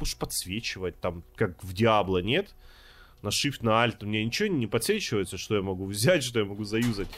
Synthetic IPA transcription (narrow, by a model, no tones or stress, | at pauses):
uʂpɐt̪svʲet͡ɕɪvət̚ʲt̪amkakvdʲɪablˠənʲe̞t̪ | nɐʂɨft̪nɐalʲt̪mnʲenʲɪt͡ɕɪvonʲɪpɐt̪svʲet͡ɕɪvəjɪt̪səʂt̪o̞jamɐɡuvzʲætʲʂt̪ojamɐɡuzɐjuzət̚ʲ